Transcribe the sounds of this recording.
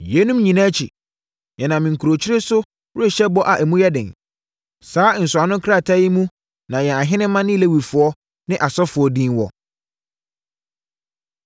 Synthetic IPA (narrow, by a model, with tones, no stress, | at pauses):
jɛ˨˦nũ˦mɲĩ˨nã˦t͡ɕʰi˨ | jɛ˨nã˨mɪ̃˨ŋ̩˨kʰu˨ɾo˨t͡ɕʰɪ˦ɾɪ˦sʊ˦ | wʊ˦e˨ɕɛ˦bɔ˦ʔa˨ʔæ˨mũ˦jɛ˦dɪ̃˨n | saː˨˦˨n̩˨sʊ˨a˨nʊ̃˦kʰɾa˦˨tʰa˦ji˦mũ˦ | nã˨jɛ˨a˨ɦɪ̃˦nɪ̃˦mã˦nɪ̃˦i˨le˦˨wi˨fʊ˨ɔ˦ | nɪ̃˦ʔa˨sɔ˦fʊ˨ɔ˦dĩ˦nwɔ̰˨